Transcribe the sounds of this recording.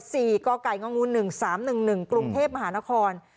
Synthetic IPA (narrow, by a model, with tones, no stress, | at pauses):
siː˨˩kɔː˧ka˨˩jŋɔ˧ŋu˧nːɯ˨˩ŋsaː˩˦mnɯ˨˩ŋnɯ˨˩ŋkɾu˧ŋt̪ʰeː˥˩p̚ma˧ɦaː˩˦na˦˥kʰɔː˧n